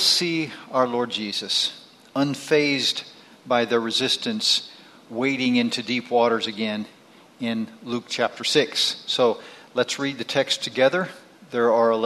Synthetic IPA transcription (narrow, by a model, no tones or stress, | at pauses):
siaʊə˞lɔɹd̚d͡ʒizɨs | ə̃nfeɪz | baɪðə˞ɹɨzɪstɨ̃ns | weɪɾɪ̃ŋɪ̃ntʰʉdipʰwɔɾə˞zɨɡɛ̃n | ɪ̃nluk̚t͡ʃʰæp̚tʰə˞sɪksːoʊlətsɹid̪̚ðɨtʰɛkstʰɨɡɛðə˞ | ðə˞ə˞əl